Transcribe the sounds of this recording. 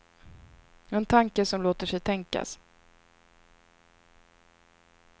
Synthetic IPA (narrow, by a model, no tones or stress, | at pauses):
ɛnt̪ʰaŋkəsɔmloːt̪əʂɛjt̪ʰɛŋka̰s